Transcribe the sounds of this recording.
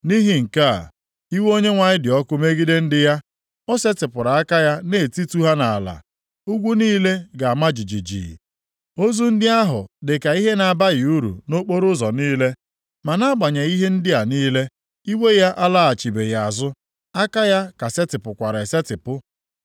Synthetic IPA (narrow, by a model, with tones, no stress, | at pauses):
ni˦ɦi˨ŋ̩˨ka̰˦˨ | i˦wo˦ɲe˦ŋʷa˨ɲɪ˦dɪ˨ɔ˦kʊ˦me˦ɡi˦de˦n̩˦dɪ˦ja˦ | ɔ˦se˦tɪ˨pʊ˨ɾa˨a˦ka˦ja˦ne˨ti˦tu˦ɦa˦na˨la̰˨ | u˦ɡʷu˦niː˦le˦ɡa˨a˨ma˦d͡ʒi˨d͡ʒi˨d͡ʒḭ˨ | o˦zu˦n̩˦dɪ˦a˦ɦʊ̰˨dɪ˨ka˨i˦ɦe˦na˨a˨ba˦ɣɪ˨u˦ɾṵ˨no˦k͡po˦ɾʊ˦zɔ˨niː˦le˦ | ma˨na˦a˦ɡ͡ba˨ɲa˨i˦ɦe˦n̩˦dɪ˦a˨niː˦le˦ | i˦we˦ja˦ʔa˦la˦a˨t͡ʃi˨be˨ja˨a˨zʊ˦ | a˦ka˦ja˦ka˨se˦tɪ˨pʊ˨kʷa˨ɾe˨se˦tɪ˨pʊ˦